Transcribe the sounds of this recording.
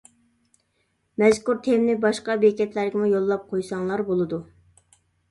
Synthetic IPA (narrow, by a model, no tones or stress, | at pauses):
mɛzkuɾt̪ʰemnɪbɑʃqɑbekʲɛt̪læɾɡʲɛmujolˠːɑp̚qʰojsɑŋlˠɑɾbolˠɨd̪u